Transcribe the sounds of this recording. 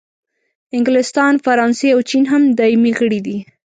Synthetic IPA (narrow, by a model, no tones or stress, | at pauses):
ɪŋɡlɪst̪ɑnfaɾɑnseawt͡ʃinɦamd̪ɑimiɣəɽid̪i